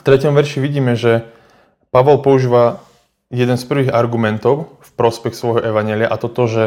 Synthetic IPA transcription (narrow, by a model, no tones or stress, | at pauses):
ft̪ɾɛcɔmʋɛɾʃiʋiɟiːmɛʒɛ | paʋɔlpɔuʒiːʋa | jɛd̪ɛnspr̩ʋiːɣaɾɡumɛnt̪ɔʊfpɾɔspɛxsʋɔjɦɔʔɛʋaɲɪɛːlɪaʔat̪ɔt̪ɔʒɛ